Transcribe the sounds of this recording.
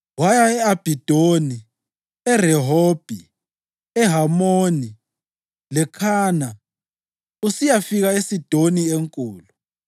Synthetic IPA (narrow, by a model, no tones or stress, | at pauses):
wajaɛab̥ʱid̥ʱoni | ɛrɛɦoːb̥ʱi | ɛɦamoːni | lɛkʰaːna | usijafiɣaesid̥ʱonieŋkʼuːlu